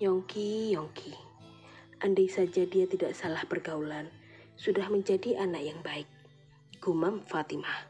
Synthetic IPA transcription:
jɔŋkijɔŋkʰi | ʔandajsad͡ʒadiat̪idaʔsalahpərɡaulan | sudahməɲd͡ʒadiʔanakjaŋbaɪk̚ | ɡ̥umamfat̪ima

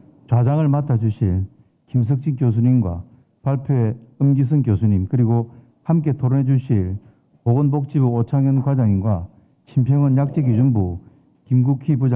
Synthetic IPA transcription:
t͡ɕwad͡ʑaŋɯɭmatʰad͡ʑuɕʰil | kims̬ʰɯk̚t͡ɕ͈ʰik͈jos̬ʰuɲinɡwa̰ | paɭpʰjoeɯmɡis̬ʰɯŋkjosʰuɲimkɯɾiɡo | hamk̬͈e̞tʰoɾɯnɦed͡ʑuɕʰiɭ | poɡonbok̚t͡ɕ͈ibuot͡ɕʰaŋɯnkwad͡ʑaŋinɡwa | ɕʰimpʰjeŋɯnjak̚t͡ɕ͈eɡid͡ʑunbu | kimɡukʰibud͡ʑa

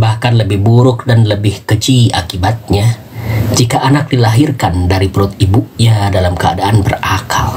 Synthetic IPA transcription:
bahkanləbɪhbuɾʊk̚danləbɪhkəd͡ʒia̰kibat̪̚ɲa | d͡ʒikaʔanak̚dilaɦɪrkandaɾipəɾʊt̪̚ibuʔɲadalamkəa̰daanbərakal

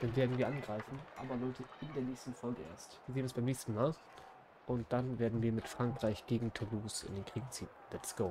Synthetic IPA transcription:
d̥anveːɐdn̩viːɐʔanɡʁaɪfn̩ʔa̰ːbɐlɔʏtʰəɪndeːɐnɛːçstn̩fɔlɡəʔḛːɐstv̥iːzeːənɛsb̥aɪmnɛːçstn̩maːl | ʔʊntd̥anveːɐdn̩viːɐmɪtfʁ̥aŋkʁ̥aɪçɡ̥eːɡŋ̩tʰuluːsɪ̰ndeːnkʁ̥iːkt͡siːnlɛsɡ̥oː

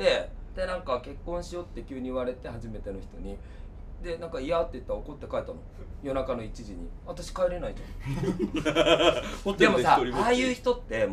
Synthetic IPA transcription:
d̪e̞d̪̥e̞nãŋkake̞kːõ̞ɰ̃ɕijo̞t̪ːe̞kʲɨːɲ̟iːβaɾe̞t̪e̞haʑime̞t̪e̞no̞çi̥t̪o̞ɲ̟i | d̪e̞nãŋkaiat̪ːe̞it̪ːaɾaoko̞t̪ːe̞kaet̪ano̞̰ | jo̞nakano̞it͡ɕiʑiɲ̟ḭβat̪aɕi̥kaeɾe̞nait̪omo | ddemo̞saoɾiaːjɯ̟ːçi̥t̪o̞t̪ːe̞

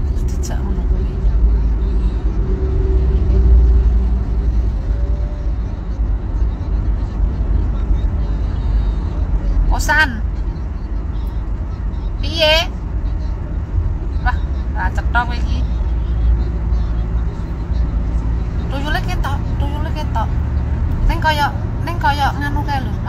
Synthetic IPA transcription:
d̥d̪̥i̤̥t͡ʃa̰ʔŋunɔkuwina | posan | pije | wahat͡ʃəʈ̪ɔkwiki | tujuleket̪ɔʔt̪ujuleket̪ɔʔ | nɪŋkɔjɔʔnɪŋkɔjɔʔŋanukelu

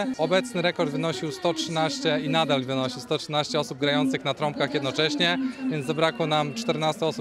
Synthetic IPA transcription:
ɔbɛt̪snɘɾɛkɔɾd̪vɘnɔɕiwst̪ɔtʂɘnaɕt͡ɕɛinad̪alvɘnɔɕiwst̪ɔtʂɘnaɕt͡ɕɛɔsub̚ɡɾajɔnt̪sɘxnat̪ɾɔmp̚kaxjɛd̪nɔt͡ʂɛɕɲɛvʲjɛnzabɾakwɔnamt͡ʂt̪ɛɾnast̪ɛɔsu

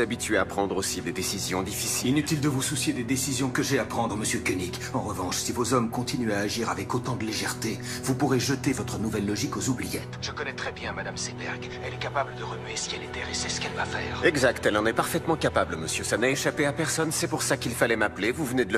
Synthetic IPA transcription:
abit̪ɥeapχɑ̃d̪ʁosid̪ed̪esizjɔ̰̃d̪ifisiinyt̪ild̪əvususjed̪ed̪esizjɔ̃kəʒɛapχɑ̃d̪ʁəməsjøkʲønik | ɑ̃ʁəvɑ̃ʃsivozɔmkɔ̃t̪inyaːʒiʁavɛkot̪ɑ̃d̪əleʒɛʁt̪e | vupuʁeʒət̪evɔt̪χənuvɛlːɔʒikozublijɛt̪ʒ̥əkɔnɛt̪χɛbjɛ̃mad̪amsebɛʁɡ | ɛlɛkapabləd̪əʁəmɥesiɛlet̪ɛʁesɛsə̥kɛlvafɛːʁɛɡzakt̪ɛlɑ̃nɛpaʁfɛt̪mɑ̃kapablməsjøsanaeʃapeapɛʁsɔnsɛpuʁsakilfalɛmaplevuvəned̪ələ

